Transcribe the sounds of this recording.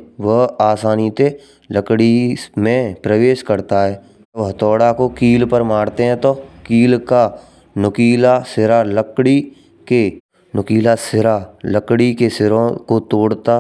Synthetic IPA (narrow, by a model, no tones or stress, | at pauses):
ʋəɦaːsaːnit̪e | ləkɽimẽpɾəʋeːʃkəɾt̪aɦɛː | ʋəɦt̪ɔːɽakokiːlpəɾmaːɽt̪eɦɛ̃t̪okiːlka | nʊkiːlasɪɾaləkɽi | ke | nʊkiːlasɪɾaləkɽikesɪɾõkot̪oːɽt̪a